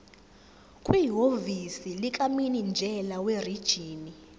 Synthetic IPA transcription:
kʼwiɦovisilik̬ʼaminind͡ʒʱɛlawerid̥ʒ̥ʱiːni

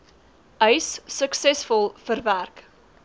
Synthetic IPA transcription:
ʔəjsːəksɛsfɔlˠfərværk

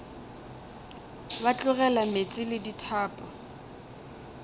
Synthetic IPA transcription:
bat͡ɬʼʊɣɛlamet͡sʼɪlɪditʰaːpʼɔ

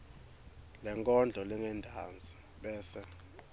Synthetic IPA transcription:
lɛŋkʼɔnd͡ɮʱɔlɛŋɛndʱand͡zʱi | ɓɛːsɛ

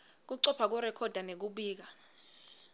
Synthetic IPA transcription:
k̬uǀɔpʰak̬uɾɛkʰɔd̥ʱanek̬uɓiːk̬a

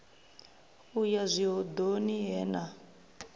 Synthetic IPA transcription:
ujazʷiɦɔd̪oniɦɛːna

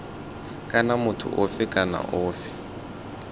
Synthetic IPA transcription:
kʼanamʊtʰʊ̰ʔofɪkʼana̰ʔoːfɪ̥

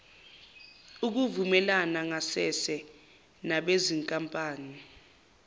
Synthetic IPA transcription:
uk̬uvumɛlanaŋasɛsɛ | naɓeziŋkʼampʼaːni

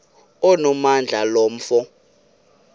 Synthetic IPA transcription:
ɔnɔmand͡ɮʱalɔm̩fɔ

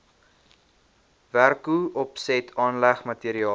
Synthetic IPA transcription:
værkuɔpsɛtʰɑːnlæχmətiəɾiɑː

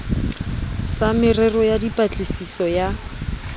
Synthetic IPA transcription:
samɪrɛrɔjadipʼat͡ɬʼisisɔja

